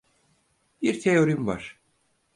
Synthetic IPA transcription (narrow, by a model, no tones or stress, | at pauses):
biɾt̪ʰejo̞ɾimva̰ɾ̥